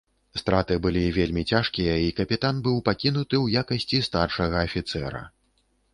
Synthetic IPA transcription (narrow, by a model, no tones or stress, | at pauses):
st̪ɾat̪ɨbɨlʲivʲelʲmʲit͡sʲaʂkʲijɐikɐpʲit̪anbɨwpakʲinut̪ɨwjakɐsʲt͡sʲist̪arʂɐɣɐːfʲit̪sɛɾɐ̰